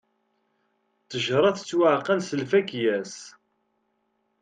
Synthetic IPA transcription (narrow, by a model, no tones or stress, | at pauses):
t͡sːəʒɾˤɑθt͡sːwaʕqænsəlfækjæs